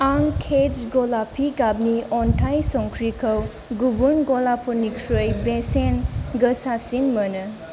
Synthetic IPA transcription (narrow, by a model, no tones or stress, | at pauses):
aŋkʰed͡ʒɡɔlapʰiɡabniɔnʈʰajsɔŋkʰɾikʰəw | ɡubunɡɔlapʰɔnikʰɾojbesenɡəsasinmənɯ